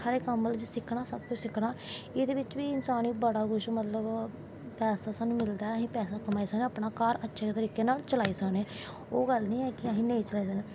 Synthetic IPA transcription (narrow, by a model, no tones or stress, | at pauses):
aɾeːkəməld͡ʒsɪkʰɽaːsəbkʊt͡ʃʰsɪkʰɽaːɪd̪eːbɪt͡ʃʋiːɪnsaːniːbəɽaːɡʊʃmət̪ləb | pɛːsaːsaːnũːmɪld̪aːɛəɦĩːpɛːsaːkəmaːisəkneːaːpɳaːkaːɾətːʃʰeːt̪əɾiːkeːnaːlt͡ʃəlaːiːsəkneː | oːɡəlnĩːɛːkɪəɦĩːnẽit͡ʃəlaːiːsəkneː